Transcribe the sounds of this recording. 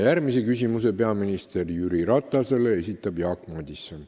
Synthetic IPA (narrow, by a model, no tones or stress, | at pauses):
jærmisekysʲimuse̞pe̞ɑminist̪e̞rjyɾiɾɑt̪ːˑɑse̞lee̞sʲit̪ˑːɑb̥jɑːkmɑd̪ʲisːon